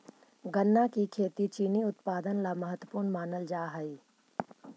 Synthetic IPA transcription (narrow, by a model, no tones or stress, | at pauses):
ɡənːakikʰeːt̪it͡ʃiːniʊt̪paːd̪ənlamɐɦət̪wəpuːɾnmaːnəld͡ʒaːɦɐi